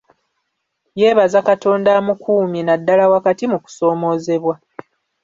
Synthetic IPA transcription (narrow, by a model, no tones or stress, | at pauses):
je̞ːβazakato̞ːndaːmukuːminadːalawakatimuku̥so̞ːmo̞ːze̞βwa